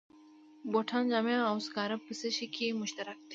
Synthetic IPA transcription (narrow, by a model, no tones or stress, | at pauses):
boːʈʰãːnd͡ʑamjãawskaːɾɐpːɨseɕikʰimʊɕt̪ɐɾɐk̚t̪ʰi̥